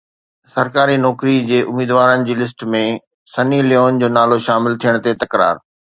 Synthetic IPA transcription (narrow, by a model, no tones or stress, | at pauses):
sɐɾkaːɾinɔːkɾid͡ʑeːʔʊmiːd̪ʋaːɾənɪ̆d͡ʑiːlɪs̬ʈmẽ | sɐniljoːnd͡ʑoːnaːloʃaːmɪlt̪ʰijəɽ̃t̪et̪ɐkɾa̰ːɾ